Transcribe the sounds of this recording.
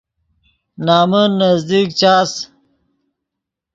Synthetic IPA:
naːmunːɐzd̪iːkt͡ɕaːs

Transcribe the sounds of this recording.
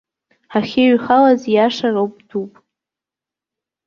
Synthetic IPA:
aχʲeɥχalazjaʂarowpʼdupʼ

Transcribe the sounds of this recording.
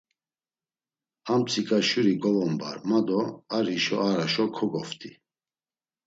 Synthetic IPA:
amt͡sʰʼikʼaʃuɾiɡɔvɔmba̰ɾmad̪ɔaɾiʃɔ̰aɾaʃɔkʰɔɡɔft̪ʼi

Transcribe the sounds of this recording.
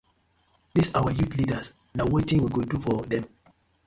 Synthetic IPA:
disawajutlidəs | nawetĩŋwiɡodufɔdɛ̃m

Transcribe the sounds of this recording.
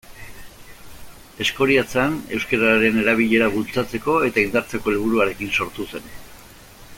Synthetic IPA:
e̞sko̞ɾiat͡seane̞wskeɾaɾe̞ne̞ɾaβ̞iʎe̞ɾaβult͡sat͡se̞ko̞e̞t̪aind̪aɾt͡se̞ko̞elβ̞uɾuaɾe̞kinso̞ɾt̪use̞n

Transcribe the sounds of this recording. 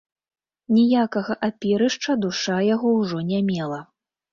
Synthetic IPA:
nʲijakɐɣɐʔapʲiɾɨʂt͡ʂɐd̪uʂajaɣɔwʐɔnʲamʲɛlˠɐ

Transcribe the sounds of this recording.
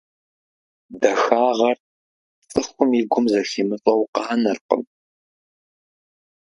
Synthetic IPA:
dɐxaːʁɐr | t͡sʼɨxʷʊmiɡʷʊmzɐximɨfʼɐwqɑːnɐrqə̰m

